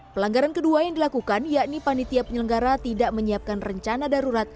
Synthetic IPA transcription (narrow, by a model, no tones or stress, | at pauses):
pəlaŋɡaɾankəduajaŋdilakukanjaʔnipanit̪iapəɲələŋɡaɾat̪idaʔməɲiap̚kanrəɲt͡ʃanadaɾuɾat̪̚